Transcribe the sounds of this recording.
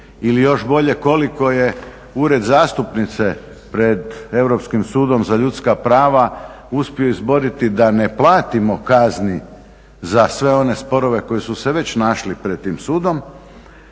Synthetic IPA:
ilijo̞ʃbo̞ʎe̞ko̞liko̞je | uɾe̞d̪zaːst̪upnit̪se̞ | pɾe̞d̪e̞wɾo̞pskimsuːd̪o̞mzaʎut̪skapɾaːʋa | uspioizbo̞ɾit̪id̪ane̞plˠaːt̪imo̞kazni | zasʋe̞o̞ne̞spo̞ɾo̞ʋe̞ko̞jesuseʋe̞t͡ɕnaʃlipɾed̪̚t̪ːiːmsuːd̪o̞m

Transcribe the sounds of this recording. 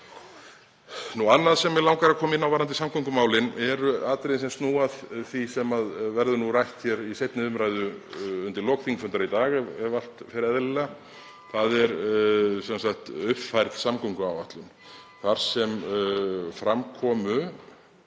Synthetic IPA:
nuanːaðsɛmɛɾlawŋkaɾakʰɔːmɪnːawvaɾant̪ɪsamkʰɔŋkʏmaːwlɪnɛɾʏaːt̪ɾejnsɛmst̪nuːaðθisɛmaðvɛɾðʏnurajht̪çɛɾisejt̪nɪʏmɾajðʏʏnt̪ɪɾlɔːkθʰiŋkfʏnt̪ɾait̪aːɣɛɛval̥t̪fɪɾɪɛðlɪla | θaðɛɾsɛnsakt̪ʏhpfajɾt̪samkʰɔŋkʏaːwvaht̪lʏn | θaɾ̥sɛm | fɾamkʰɔːmʏ

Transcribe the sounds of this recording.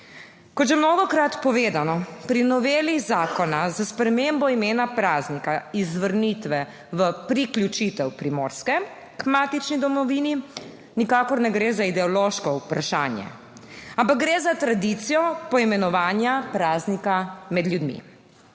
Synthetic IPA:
kɔt̪ʒɛmnoːɡɔkɾat̪pɔʋeːd̪anɔpɾinɔʋeːlizaːkɔnazaspɾɛmembɔimeːnapɾaːznikaizʋəɾnit̪ʋɛ | ʋəpɾiklʲjut͡ʃit̪ɛwpɾimo̰ːɾskɛ | kmaːt̪it͡ʃnid̪ɔmɔʋiːni | nikaːkɔɾnɛɡɾeːzaid̪ɛɔloːʃkɔupɾaʃaːnjɛ̰ | ampak̚ɡɾeːzat̪ɾad̪it̪sijɔpɔimɛnɔʋaːnjapɾaːznikamɛd̪ljud̪mḭ

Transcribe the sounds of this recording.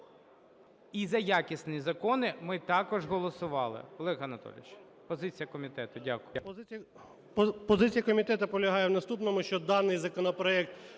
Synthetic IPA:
izɐjakʲɪsnɪjizɐkɔnɪmɪt̪ɑkɔʒɦɔlˠɔsʊʋɑlˠɪ̰ɔlˠɛɣɐɐnɐt̪ɔ̰lʲɪ̰t͡ʃ | pɔzɪt͡sʲijɐkɔmʲit̪ɛt̪ʊdʲakʊ | pɔzɪt͡sʲijɐkɔmʲit̪ɛt̪ʊpɔlʲɐɦɑjɛwnɐst̪upnɔmʊʃt͡ʃɔd̪ɑnɪjzɐkɔnɔpɾɔɛk̚t̪

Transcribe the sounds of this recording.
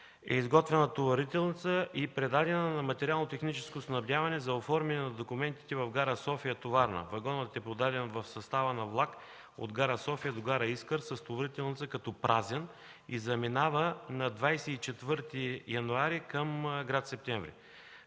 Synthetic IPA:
ɛ̰izɡɔt̪vɛnɐt̪ovɐɾit̪ɛlˠnit̪səʔipɾɛd̪ad̪ɛnənɐmɐt̪ɛɾialˠnot̪ɛxnit͡ʃɛskosnɐblʲjavɐnɛzɐofɔɾmɛnɛnɐd̪okʊmɛnt̪i̥t̪ɛvɐvɡaɾəsɔfijət̪ovaɾnɐ̰vɐɡɔnət̪ɛpɾod̪ad̪ɛnvɐfsɐst̪avənɐvlˠak | o̰d̪ɡaɾəsɔfijəd̪oɡaɾəiskəɾsɐst̪ovɐɾit̪ɛlˠnit̪səkɐt̪ɔpɾʔazɛn | izɐminavənɐd̪vajsɛit͡ʃɛt̪vɤɾt̪ijɐnuaɾikəmɡɾat̪sɛp̚t̪ɛɱvɾḭ

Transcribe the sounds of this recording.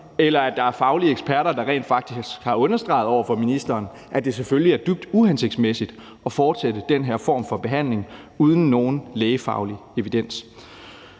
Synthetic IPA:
elɐæd̥ɑ̈æɐfɑ̈ʊliəeɡ̥spʰæɐɾɐd̥ɑ̈ʁɛ̰ːnd̥fɑ̈ɡ̥d̥isɡ̥hɑ̈ɔ̽nɐsd̥ʁɑ̈ɪð̞̩ˠɒʊɐfɒ̽minisd̥ɐːn | ʔæd̥e̝sefølliæɐd̥yb̥̚d̥uhense̝ɡ̥̚d̥smesid̥ | ɒ̽fɒːd̥sed̥əd̥enɦeɐ̰fɒ̰ːmfɒ̽b̥e̝ɦæn̰le̝ŋ | uð̞ˠn̩ːo̝ːn̩leːɪəfɑ̈ʊlie̝ʋid̥en̰s

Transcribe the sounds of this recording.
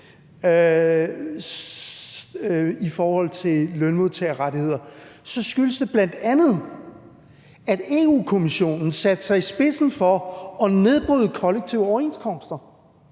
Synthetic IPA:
ifɒːhɒ̽l̰t͡sʰe̝lœnmuðˠt͡sʰeɐʁɑdihe̝ð̞̰ˠɐsɒ̽sɡ̥yləsd̥e̝b̥læn̰d̥ænð̞̩ˠ | æd̥e̝ːuːkʰo̝miɕo̝̰ːnn̩sæd̥əsɑ̈ɪisb̥e̝sn̩fɒ̽ɒ̽ne̝ðˠb̥ʁyːðˠəkʰɒ̽leɡ̥̚t͡sʰiʊəɒʊɐe̝̰nskʰɒ̽m̰sd̥ɐ

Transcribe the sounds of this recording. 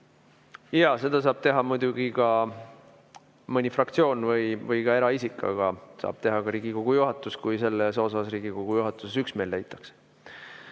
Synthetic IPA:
jɑse̞d̪̥ɑs̬ɑːb̥̚t̪e̞ɦɑmujd̪̥uɡ̥ikɑ | mɯnʲifrɑkt̪sio̞ːnvɯjvɤjkɑe̞ɾɑisikːˑɑ̰ɡ̥ɑsɑ̰ːb̥̚t̪e̞ɦɑɡ̥ɑɾiːɡikoɡ̥ujuɦɑt̪ːˑuskujse̞lːeso̞sɑsriːɡ̥ikoɡ̥ujuɦɑt̪ːˑuse̞syksme̞ːlːejt̪ːˑɑ̥ks

